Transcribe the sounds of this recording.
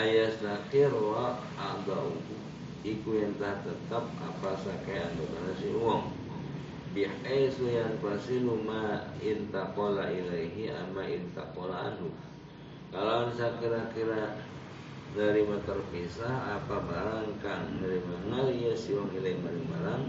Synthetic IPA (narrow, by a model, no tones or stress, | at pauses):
ajasnakiɾaʔ | ad̪auu | ikujaŋt̪ahat̪ət̪ap̚a̰pasakajand̪ukanasiuwaŋ | bihasujaŋpasilumaint̪aʔpolaʔilaiɦia̰maḭnt̪a̰ʔpola̰ːdu | kalaansakiɾakiɾa | nəɾimat̪ərpisahapabaɾaŋkanaɾimanalijasiuwaŋilaimaliŋmaɾaŋ